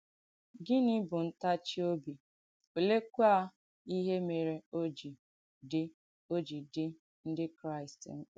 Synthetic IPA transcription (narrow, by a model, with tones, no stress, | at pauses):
ɡɪ˦nɪ˦bʊ˨n̩˦ta˦t͡ʃi˦o˦bi˨ | o˨le˦kʷu˦a˦ | i˦ɦe˦me˨ɾe˨o˦d͡ʒi˨ | dɪ˦ | o˦d͡ʒi˨dɪ˦ | n̩˦dɪ˦kɾa˦ɪ˨stŋ̩˦k͡pa˨